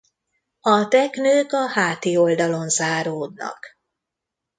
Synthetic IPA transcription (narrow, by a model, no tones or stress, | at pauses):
ɒt̪ɛknøːkɒhaːt̪io̞ld̪ɒlo̞nzaːɾoːd̪nɒ̰k